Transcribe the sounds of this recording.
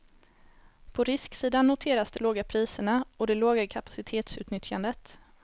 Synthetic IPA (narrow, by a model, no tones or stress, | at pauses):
pʰɔɾɪsksiːd̪anːʊt̪ʰeːɾasd̪ɛloːɡapʰɾiːsəɳaɔd̪ɛloːɡakʰapḁsɪt̪ʰeːt̪sʉ̟ːt̪nʏt̪ʰjand̪ət̪